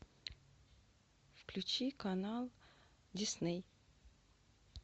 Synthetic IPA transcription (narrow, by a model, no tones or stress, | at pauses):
fklʲʉt͡ɕikanalˠ | dʲɪsnɛj